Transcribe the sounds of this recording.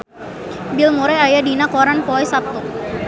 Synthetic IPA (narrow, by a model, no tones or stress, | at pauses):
bilmuɾɛajadinakɔɾanpɔɛsap̚t̪u